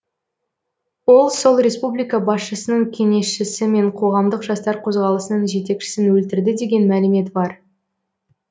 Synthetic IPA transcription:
wo̞lˠso̞lˠɾʲe̞spublʲijkɑbɑsʃəsənəɴkʲʰe̞ŋe̞sʃɪsɪme̞ɴqʰo̞ʁɑmd̪əqʒɑst̪ɑɾqʰo̞zʁɑlˠəsənəɴʒe̞t̪e̞kʃɪ̥sɪnwɵlt̪ɪɾd̪ɪd̪e̞ɡʲe̞nmælɪme̞t̪bɑɾ

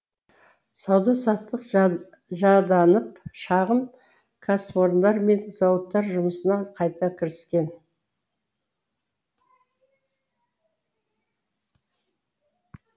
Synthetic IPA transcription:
sɑwd̪ɑsɑt̪ːəq | ʒɑd̪ɑnəp̚ʃɑʁəm | kʰasfoɾnd̪ɑɾme̞nzɑwət̪ːɑɾʒʊməsənɑqʰɑjt̪ɑkʲʰɪɾɪskʲe̞n

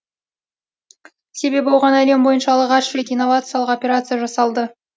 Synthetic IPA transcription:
se̞be̞bolˠʁɑnæle̞mbo̞jənʃɑlˠəʁɑʃɪlʲek̪inːo̞vat̪sɨjalˠəqopʲe̞ɾat̪sɨjaʒɑsɑlˠd̪ə

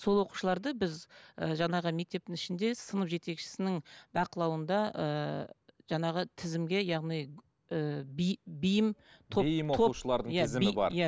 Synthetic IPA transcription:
so̞lˠwo̞qu̥ʃlˠɑɾd̪əbɪzəʒɑɴɑʁəme̞k̚t̪e̞p̚t̪ɪŋɪʃɪnd̪e̞sənəpʒe̞t̪e̞kʃɪ̥sɪnɪŋbɑqəlˠɑwənd̪ɑə | ʒɑɴɑʁət̪ʰɪzɪmɡʲe̞jɑʁnij | əbbijɪmt̪ʰojɪmʰouʃəlˠɑɾd̪əɴj̪æzɪbɑ̰ɾjæ

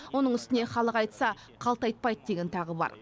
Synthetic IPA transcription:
wo̞nəɴʏst̪ɪne̞χɑlˠəqɑjt̪sɑ | qʰɑlˠt̪ɑjt̪̚pɑjd̪əd̪e̞ɡʲe̞nt̪ʰɑʁəbɑ̰ɾ

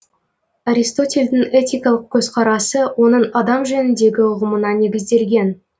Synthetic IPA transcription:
aɾʲist̪o̞tʲe̞lʲd̪ɪŋe̞t̪ʲijkɑlˠəq̚kʲʰɵzqʰɑɾɑsəwo̞nəɴɑd̪ɑmʒænɪnd̪e̞ɡʲɪʊʁəmənɑne̞ɡʲɪzd̪e̞lɡʲe̞n

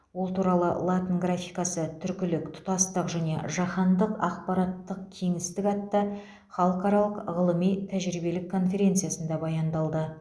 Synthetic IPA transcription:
wolˠt̪ʰuɾɑlˠə̰lˠat̪ənɡɾafijkɑsət̪ʰʏɾkʲɪlɪkt̪ʰʊ̥t̪ɑst̪əqʒæne̞̰ʒɑχɑnd̪əqɑq̚pɑɾɑt̪ːəq̚kʲʰe̞ŋɪst̪ɪkɑt̪ːɑ | χɑlˠəqɑɾɑlˠəqʁəlˠəmijt̪ʰæʒɾibe̞lɪkʰːo̞nfʲe̞ɾʲe̞nt̪sɨjasənd̪ɑbɑjɑnd̪ɑlˠd̪ə

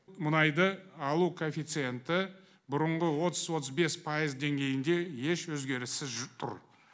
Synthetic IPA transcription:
mʊnɑjd̪əɑlˠukʰofʲijt̪sɨje̞nt̪ɪ | bʊɾəɴʁəwo̞t̪əzwo̞t̪ʰəzbe̞spʰɑjəzd̪e̞ŋɡʲe̞jɪnd̪e̞je̞ʃwɵzɡʲe̞ɾɪsɪzʒt̪ʰʊ̰ɾ

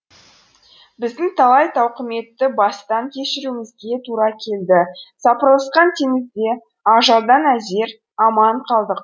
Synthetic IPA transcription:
bɪzd̪ɪŋt̪ʰɑlˠɑjt̪ʰɑwqəme̞t̪ːɪbɑst̪ɑŋkʲʰe̞ʃɪɾumɪzɡʲe̞t̪ʰuɾɑkʲʰe̞ld̪ɪsɑpəɾlˠəsqɑnt̪ʰemɪzd̪e̞ | ɑʒɑlˠd̪ɑnæze̞ɾ | ɑmɑɴqʰɑlˠd̪əq̚

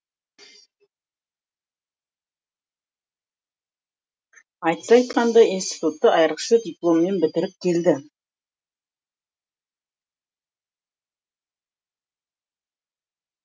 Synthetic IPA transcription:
ɑjt̪ə̥sɑjt̪qɑnd̪ɑinst̪i̥t̪ut̪ːəʔɑjɾəqʃəd̪ʲiplˠo̞mːe̞nbɪt̪ɪɾɪp̚kʲʰe̞ld̪ɪ

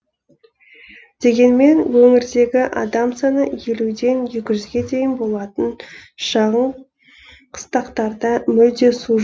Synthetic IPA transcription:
d̪̥e̞ɡʲe̞nme̞nwɵŋɪɾd̪e̞ɡʲɪʔɑ̰d̪ɑmsɑnəje̞lud̪e̞nje̞kʲɪʒʏzɡʲe̞d̪e̞jɪnbo̞lˠɑt̪ənʃɑʁəɴ | qʰə̥st̪ɑqt̪ɑɾd̪ɑmʏld̪e̞su

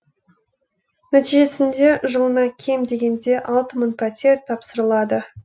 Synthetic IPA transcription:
næt̪iʒe̞sɪnd̪e̞ʒəlˠənɑkʲʰe̞md̪e̞ɡʲe̞nd̪e̞ʔɑlˠt̪əmənpʰɑt̪ʲe̞ɾt̪ʰɑpsəɾəlˠɑd̪ə

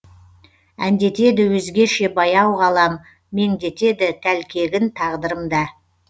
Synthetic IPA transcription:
ænd̪e̞t̪e̞d̪ɪwɵzɡʲe̞ʃe̞bɑjɑwʁɑlˠɑmː | e̞ŋd̪e̞t̪e̞d̪ɪt̪ʰælkʲʰe̞ɡʲɪnt̪ʰɑʁd̪əɾəmd̪ɑ

